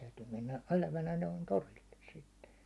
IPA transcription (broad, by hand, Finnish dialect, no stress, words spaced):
tæytyː menːæ elæʋænæ noin torilːes sitːe